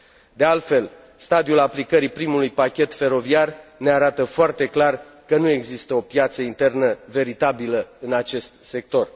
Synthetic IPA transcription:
d̪e̞alt̪fe̞l | st̪ad̪iulaplikəɾipɾimulujpakʲe̞t̪fe̞ɾo̞viarne̞aɾat̪əfoart̪e̞klar | kənue̞ɡzist̪əo̞pjat̪səint̪e̞rnəve̞ɾit̪abiləɨnat͡ʃe̞st̪se̞k̚t̪o̞r

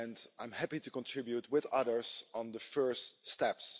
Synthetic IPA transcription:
ɛ̃ndã̰j̃mhæpitukɔ̃ntʰɹ̥ɪbjut̚wɪðʌðə˞z̃n̩dəfɜ˞ststɛps

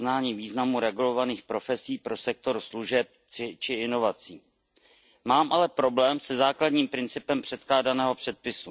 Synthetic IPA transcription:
naːɲiːviːznamuɾɛɡulo̞vaniːxpɾo̞fɛsiːpɾo̞sɛk̚t̪o̞ɾsluʒɛp̚ɪt͡ʃɪɪno̞vat͡siː | maːmʔalɛpɾo̞blɛːmsɛzaːklad̪ɲiːmpɾɪnt͡sɪpɛmpr̝̥ɛt̪klaːdanɛːɦo̞pr̝̥ɛt̪̚pɪsu

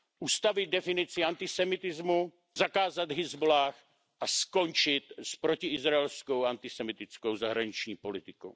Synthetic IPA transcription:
ʔust̪avɪd̪̚dɛfɪnɪt͡sɪant̪ɪsɛmɪt̪ɪzmu | zakaːzad̪ɦɪzbulaːx | ʔasko̞nt͡ʃɪt̪spɾocɪɪzɾaɛlskowant̪ɪsɛmɪt̪ɪt͡skowzaɦɾaɲɪt͡ʃɲiːpo̞lɪt̪ɪkow

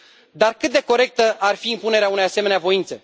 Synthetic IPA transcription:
d̪arkɨt̪̚d̪e̞ko̞ɾe̞k̚t̪əʔarfiːmpune̞ɾeaunejaseme̞neavo̞int̪se̞

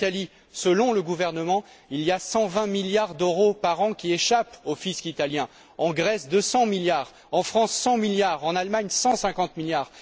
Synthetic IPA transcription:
t̪ali | səlɔ̃ləɡuvɛʁnəmɑ̃ | ilijasɑ̃vɛ̃miljaʁd̪øʁopaʁɑ̃kʲieʃapofiskit̪aljɛ̃ | ɑ̃ɡʁɛsd̪əsɑ̃miljaːʁ | ɑ̃fχɑ̃sːɑ̃miljaʁɑ̃nalmaɲsɑ̃sɛ̃kɑ̃t̪miljaːʁ

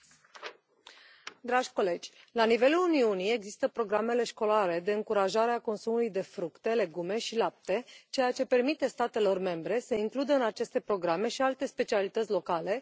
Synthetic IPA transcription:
d̪ɾaʒʲko̞le̞d͡ʒʲlanive̞luluniunie̞ɡzist̪əpɾo̞ɡɾame̞le̞ʃko̞laɾe̞d̪e̞ɨŋkuɾaʒaɾeako̞nsumulujd̪e̞fɾukt̪e̞le̞ɡume̞ʃilap̚t̪e̞t͡ʃe̞jat͡ʃe̞pe̞rmit̪e̞st̪at̪e̞lo̞rme̞mbɾe̞səiŋklud̪əɨnat͡ʃe̞st̪e̞pɾo̞ɡɾame̞ʃialt̪e̞spe̞t͡ʃialit̪ət̪sʲlo̞kale̞

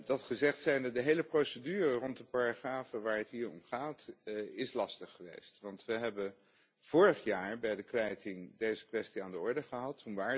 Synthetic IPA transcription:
dɑtχəzɛχtsɛjndədəɦejləprowsədyːrərɔntdəpaɹaχraːfəʋaːɹɦətɦiːɹɔmχaːtɪslɑstəχːəʋḛjstʋɑntʋəɦɛbə | v̥ʊːɹəχjaːɹbɛjdəkʋɛjtɪŋdejzəkʋɛstiaːndəɔɹdəχəɦɑtːunʋaːɹ

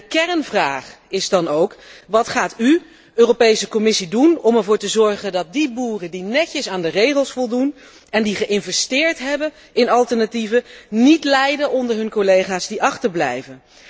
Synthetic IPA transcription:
əkɛɹnvraːχɪzdɑnowkʋɑtχaːty | øːropejsəkɔmɪsidunɔmɛɹvʊːɹtəzɔɹχəndɑt̚dibuːrədinɛcəsaːndərejχəlˠsfɔlˠdun | ɛndiχəʔɪnvɛstɪːɹtɦɛbə | ɪnɑlˠtəɹnativənitlɛjdəʔɔndəɹɦɵnkolejχaːzdiʔɑχtəɹblɛ̰jvən

